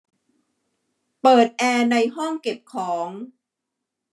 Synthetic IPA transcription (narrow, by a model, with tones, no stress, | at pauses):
pɤː˨˩t̪̚ʔɛː˧na˧jɦɔ˥˩ŋke˨˩p̚kʰɔː˩˦ŋ